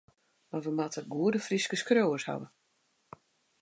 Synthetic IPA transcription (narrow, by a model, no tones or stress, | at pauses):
marʋəmatəɡuədəfriskəskroːərsha̰ʋə